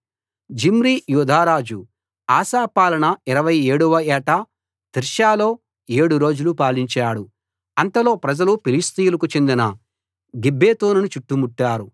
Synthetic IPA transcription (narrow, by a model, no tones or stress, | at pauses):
d͡ʒimɾijuːd̪ʱaːɾaːd͡ʒu | aːsaːpaːlɐnɐiɾɐʋɐje̞ːɽuʋɐɛːʈɐ | t̪iɾʃaːlo̞ː | e̞ːɽuɾo̞ːd͡ʒulupaːliɲt͡ʃaːɽu | ɐnt̪ɐlo̞ːpɾɐd͡ʒɐlupilist̪ijulɐkut͡ʃe̞nd̪inɐ | ɡibːeːt̪oːnunut͡ʃuʈːumuʈːaːɾu